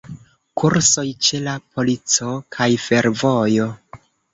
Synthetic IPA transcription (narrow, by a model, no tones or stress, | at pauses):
kʰuɾso̞jt͡ʃe̞lapʰo̞lit͡so̞kʰajfe̞ɾvo̞jo̞